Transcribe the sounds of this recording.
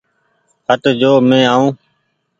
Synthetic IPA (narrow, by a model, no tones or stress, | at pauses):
ɦət̪d͡ʒoːmẽːaːũː